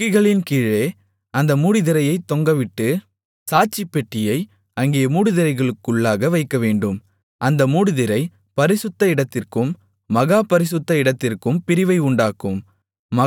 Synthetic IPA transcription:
ɪɣɐɭɪnkiːɻeː | ɐnd̪ɐmuːɽɪðɪɾɐjɐɪt̪ːɔŋɡɐʋɪʈːɯ | saːt͡ʃːɪpːɛʈːɪjɐɪ | ɐŋɡejɐmuːɽɯðɪɾɐɪɣɐɭɯkːɯɭːaːɣɐʋɐɪkːɐʋeːɳɖɯm | ʔɐnd̪ɐmuːɽɯðɪɾɐɪ | pɐɾɪsɯt̪ːɐɪɽɐt̪ːɪrkɯmː | ɐɣaːpɐɾɪsɯt̪ːɐɪɽɐt̪ːɪrkɯmpɪɾɪʋɐɪʊɳɖaːkɯmː | ɐ

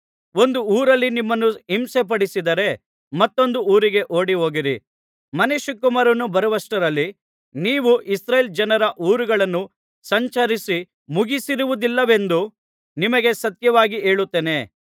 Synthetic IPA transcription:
o̞nd̪uuːɾɐlːinimːɐnːuimsep̬ɐɽisid̪ɐɾe̞ | mɐt̪ːo̞nd̪uuːɾiɡe̞ʔoːɽiɦo̞ːɡiɾḭ | mɐneʃukːumaːɾɐnːubɐɾɐʋɐsʈɐɾɐlːi | niːʋuʔisɾejld͡ʒɐnɐɾɐʔuːɾuɡɐɭɐnːu | sɐɲt͡ʃɐɾisi | muɡisiɾuʋud̪ilːɐʋe̞nd̪u | nimɐɡe̞sɐt̪jɐʋaːɡie̞ːɭut̪ːeːne̞

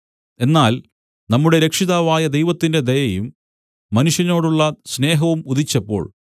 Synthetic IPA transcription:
e̞nːaːl | nɐmːuɽe̞ɾe̞kʂiðaːʋaːjɐd̪e̞jʋɐt̪ːinde̞d̪ejɐjumː | ɐnuʂjɐno̞ːɽuɭːɐsne̞ːɦɐʋumuðit͡ɕːɐpːo̞̰ːɭ

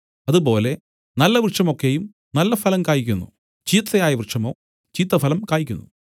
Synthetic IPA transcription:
ɐðubo̞ːle̞ | nɐlːɐʋrʂɐmo̞kːe̞jum | nɐlːɐfɐlɐmkaːjikʲːunːṵ | t͡ɕiːt̪ːɐjaːjɐʋrɨʂɐmo̞̰ː | t͡ɕiːt̪ːɐfɐlɐmkaːjikʲːunːu

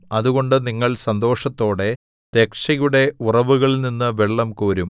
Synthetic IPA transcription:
ɐðuɣo̞ɳɖɨniŋːɐɭsɐnd̪o̞ːʂɐt̪ːo̞ːɽe̞ | t̪ekʂɐjuɽe̞urɐʋuɣɐɭninːɨʋeɭːɐmkuːɾum

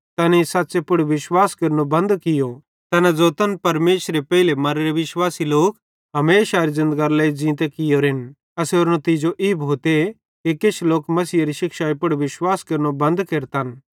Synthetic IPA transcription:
t̪ɐnisatːsepʊɽʋɪʃwaːskɐɾnobɐ̃nd̪kɪjo | t̪ɐnad͡zoːt̪ɐnpɐɾmeːʃɾepɛɦɪlemɐɾeɾeʋɪʃwaːsiloːk | ɦɐmeːʃaɾizɪ̃nd̪ɡaɾlɛizĩːt̪̬ekɪjoɾɦɪn | ɐseoːɾnõt̪id͡ʒoʔibʱoːt̪e | keket͡ʃʰloːkmɐsiːɐɾiʃɪkʃaːipʊɽʋɪʃwaːskɐɾnobɐ̃nd̪keːɾt̪an

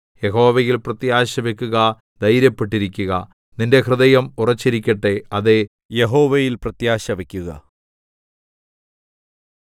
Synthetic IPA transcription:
jeɦo̞ːʋɐjilprɐt̪jaːɕɐʋekʲːuɣɐ | d̪ɐjɾjɐpːe̞ʈːiɾikʲːuɣɐ | ninde̞krɨðɐjɐmurɐt͡ɕːiɾikʲːɐʈːe̞ɐðe | jeɦo̞ːʋejilprɐt̪jaːɕɐʋekʲːuɣɐ̰

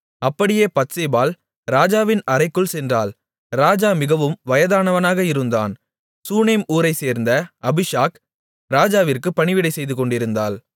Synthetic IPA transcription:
ɐpːɐɽɪjeːpɐtseːbaːl | ɾaːd͡ʒaːʋɪnɐɾɐɪkːɯɭsɛndraːl | ɾaːd͡ʒaːmɪɣɐʋɯmʋɐjɐðaːnɐʋɐnaːɣɐɪɾɯnd̪a̰ːn | suːneːmuːɾɐɪseːɾnd̪ɐʔɐbɪʂaːk | ɾaːd͡ʒaːʋɪrkɯpːɐɳɪʋɪɽɐɪsɛjðɯkɔɳɖɪɾɯnd̪a̰ːl

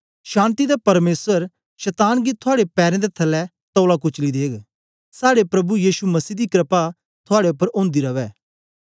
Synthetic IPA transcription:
ʃãːnt̪id̪apɐɾmeːsəɾ | ʃɛt̪aːnɡit̪ʰʊaːɽepɛːɾẽd̪et̪ʰɐlːɛ | t̪ɔːlakʊt͡ʃlid̪eːɡ | saːɽepɾɐbujiːʃumɐsiːd̪ikɾəpa | t̪ʰʊaːɽeʊpːəɾõːnd̪iɾɐʋɛː

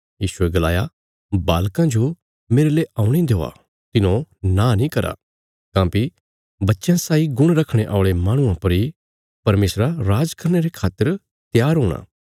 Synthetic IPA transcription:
jiːʃueɡɐlaːja | baːlkãd͡ʒo | meːɾeleːaːʊ̃ɽ̃id̪eːa̰ | t̪ɪnõnãːnĩkɐɾa̰ | kãːki | bɐtːʃjãsaːiɡʊɽ̃ɾɐkʰɽ̃eʔaːʊɭemãːɽ̃ʊãpɐɾi | pɐɾmeːsɾaɾaːd͡ʒkɐɾñeɾekʰaːt̪ːəɾ | t̪jaːɾɦoːɽ̃a̰ː

